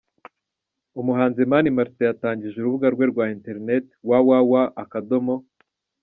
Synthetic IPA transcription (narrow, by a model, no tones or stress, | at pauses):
umuɦaːnzemanimaɾtejataːɲɟiʒuɾuβuɡaɾɡwe̞ɾɡwaːinte̞ɾnete̥wawawaʔːkado̞mo̞